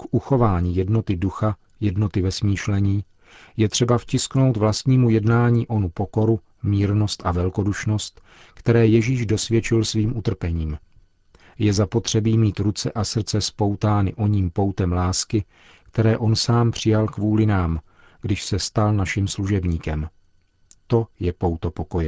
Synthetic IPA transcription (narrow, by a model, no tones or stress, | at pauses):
kʔuxo̞vaːɲiːjɛdno̞t̪ɪduxa | jɛdno̞t̪ɪvɛsmiːʃlɛɲiː | jɛt̪r̝̥ɛbafcɪskno̞wt̪vlast̪ɲiːmujɛdnaːɲiːʔo̞nupo̞ko̞ɾu | miːɾno̞st̪ʔavɛlko̞duʃno̞st̪ | kt̪ɛɾɛːjɛʒiːʒdo̞svjɛt͡ʃɪlsviːmʔut̪r̩pɛɲiːm | jɛzapo̞t̪r̝̥ɛbiːmiːt̪ɾut͡sɛʔasr̩t͡sɛspo̞wt̪aːnɪʔo̞ɲiːmpo̞wt̪ɛmlaːskɪ | kt̪ɛɾɛːʔo̞nsaːmpr̝̥ɪjalkvuːlɪnaːm | ɡ̥dɪʃsɛst̪alnaʃɪmsluʒɛbɲiːkɛm | t̪o̞jɛpo̞wt̪opo̞ko̞jɛ